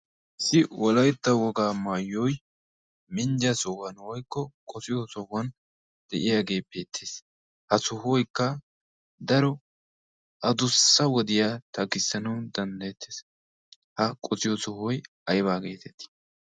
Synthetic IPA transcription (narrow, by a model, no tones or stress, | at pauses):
ʔɪsːɪwɔlɐjt̪ːɐwɔɡaːmaːjːɔj | mɪnd͡ʒɐsɔhwɐnwɔjkːɔkʼɔsɪjɔsɔhɐn | d̪̥ɛʔɪjaːɡe̞ːpːeːt̪ʰːeːs | hɐsʊhɔjkːɐ | d̪ɐɾɔ | ɐd̪ʊsːɐwɔd̪ɪjat̪ɐkɪsːɐnɐwd̪ɐnd̪ɐjɛt̪ʰːeːs | hɐkʼɔsɪjɔsɔhɔj | ɐjbaːɡeːt̪ɛt̪ːɪ̥